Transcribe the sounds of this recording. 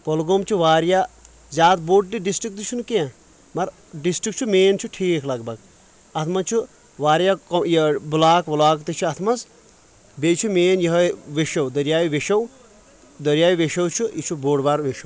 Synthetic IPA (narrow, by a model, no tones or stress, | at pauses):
polɡoːmt͡ʃʰuʋaːɾjaː | zʲaːt̪boːʈ̚ɖiɖisʈɾik̚t̪ut͡ʃʰunukeã | mɐɾ | ɖisʈɾik̚t͡ʃʰumeːnt͡ʃʰuʈʰiːkʰlɐɡbɐɡ | ɐt̪ʰmɐt͡ʃʰu | ʋaːɾjakɐjbulaːkʋulaːkt̪it͡ʃʰuɐt̪ʰmɐz | bet͡ʃʰumeːnjɐɦɐʋeʃɐwd̪ɐɾjaːʋiʋeʃɐw | d̪ɐɾjaːʋiʋeʃɐwt͡ʃʰuit͡ʃʰuboːɖbaːɾʋeʃɐw